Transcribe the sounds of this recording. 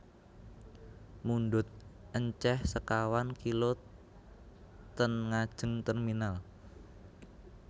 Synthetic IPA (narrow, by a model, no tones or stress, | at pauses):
munɖʊt̪̚ʔəɲt͡ʃɛhsəkawankilo | t̪ənŋad̥ʒ̥ə̤ŋt̪ərminal